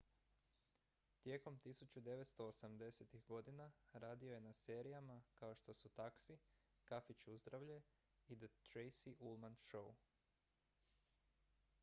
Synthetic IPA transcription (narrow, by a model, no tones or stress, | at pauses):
t̪je̞ːko̞mt̪isut͡ɕud̪e̞ʋet̪st̪o̞ːsamd̪e̞set̪iɣɡo̞d̪inaɾaːd̪io̞je̞nase̞ːɾijamakao̞ʃt̪o̞sut̪aksi | kafit͡ɕuzd̪ɾaʋʎe | id̪ət̪ɾejsiʔulˠmanʃou